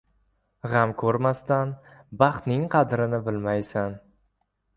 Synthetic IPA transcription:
ʁamkʰɵɾmast̪anbɑχt̪nɪŋqʰɑd̪ɾɪnɪbɪlmajsan

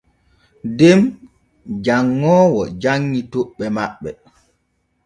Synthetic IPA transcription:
dɛm | d͡ʒaŋːɔːwɔ̰d͡ʒaŋːitoɓːɛmaɓːɛ

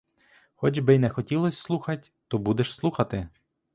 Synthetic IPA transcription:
xɔd͡ʒbɪjnɛxɔtʲilˠɔsʲslˠuxɐtʲ | t̪ɔbud̪ɛʃslˠuxɐt̪ɪ

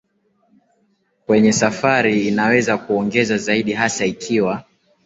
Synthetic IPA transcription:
kwɛɲɛsafaɾiːnawɛzakuɔŋɡɛzazaiɗiɦasaikʰiwa

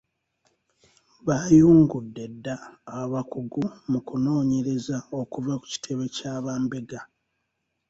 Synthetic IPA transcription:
βajuːŋɡudːe̞dːaːβakuɡumukuno̞ːɲe̞ɾe̞zao̞kuvaku̥ci̥tʰe̞βe̞caːβaːmbe̞ɡa

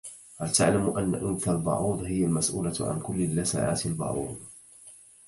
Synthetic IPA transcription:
halt̪aʕlamʔanːa̰ʔʊnθalbɑ̰ʕuːðˤhɪjalmasʔuːlaʕa̰nkʊlːɪlːasa̰ːʕa̰ːt̪ɪlbɑ̰ʕuːd̪ˤ

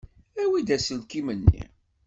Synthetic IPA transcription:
æwid̪æsəlkimənːḭ

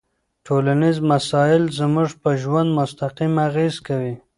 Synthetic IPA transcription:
ʈʰolanizmasɑɪlzəmʊʐpəʒwand̪mʊst̪aqimaɣezkawi

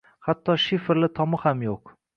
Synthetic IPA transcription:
hat̪ʰːɒʃɪfɾlɪt̪ʰɒmɪhamjoq

